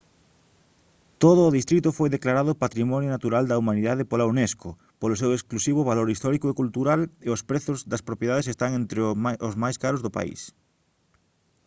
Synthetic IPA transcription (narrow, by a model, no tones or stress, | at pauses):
t̪oð̞ʊːðist̪ɾit̪ʊfojðeklaɾaðʊpat̪ɾimɔnjʊnat̪uɾald̪ɐumaniðaðɪpolauneskʊ | polʊs̬ewesklusiβ̞ʊβaloɾist̪ɔɾikoekult̪uɾaleʊspɾeθʊzðɐspɾopjeðaðesest̪aŋẽnt̪ɾɪozmajskaɾozðʊpa̰ḭs